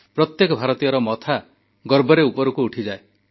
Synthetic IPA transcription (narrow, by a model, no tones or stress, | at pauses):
pɾɔt̪jekɔbʱaɾɔt̪ijɔɾɔmɔt̪ʰa | ɡɔɾbɔɾeupɔɾukuuʈʰid͡ʒae